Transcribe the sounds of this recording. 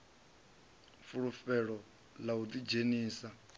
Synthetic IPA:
fuɺufɛɺɔ | laut̪id͡ʒeniːsa

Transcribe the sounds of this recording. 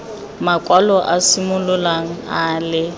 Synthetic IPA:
makʼwalɔʔasɪmʊlʊlaŋ̩aːlɪ

